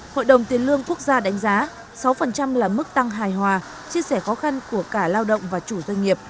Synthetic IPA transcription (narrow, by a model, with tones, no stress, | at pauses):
ho̰˧˨jɗə˨˩wŋ͡mt̪i˨˦ənlɨ˧əŋku˦˥ək̚zaː˧ɗa˨˦jŋ̟zaː˨˦ | sa˨˦wfə˨˩nt͡ɕa˧mlaː˨˩mɨ˦˥k̚t̪a˧ŋɦaː˨˩jɦwaː˨˩ | t͡ɕi˧əsɛ˧˩xɔ˨˦xa˧nku˧˩əkaː˧˩laː˧wɗə̰˧˨wŋ͡mvaː˨˩t͡ɕu˧˩zwə˧jŋi˨˩əp̚